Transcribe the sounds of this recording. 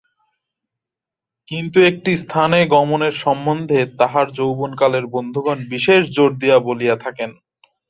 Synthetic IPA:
kint̪uek̚ʈist̪ʰaneɡɔmoneɾʃɔmːond̪ʱet̪aɦaɾd͡ʑowbonkaleɾbond̪ʱuɡɔnbiʃeʃd͡ʑoɾd̪ijabolijat̪ʰaken

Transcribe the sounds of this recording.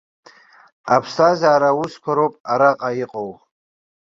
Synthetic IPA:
apʰstʰʼazaːɾauskʷʰaɾowpʼaɾaqʼajiqʼow

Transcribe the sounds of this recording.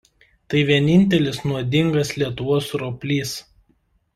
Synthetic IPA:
t̪ɐɪʋʲiɛnʲɪnʲt̪ʲɛlʲɪsnuɔd̪ʲɪŋɡɐslʲiɛt̪ʊʋoːsɾopʲlʲiːs

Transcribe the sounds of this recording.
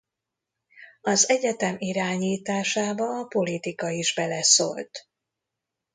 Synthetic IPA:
ɒzɛɟɛt̪ɛmiɾaːɲiːt̪aːʃaːbɒːpo̞lit̪ikɒiʒbɛlɛso̰ːlt̪

